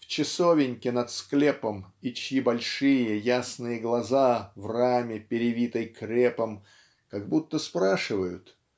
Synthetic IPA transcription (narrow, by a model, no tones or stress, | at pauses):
ft͡ɕɪsovʲɪnʲkʲɪnɐt̪sklʲepəmit͡ɕjibɐlʲʂɨjəjasnɨjəɡlˠɐzavramʲɪpʲɪɾʲɪvʲit̪əjkɾʲepəm | kaɡbut̪ːəspɾaʂɨvəjʊt̪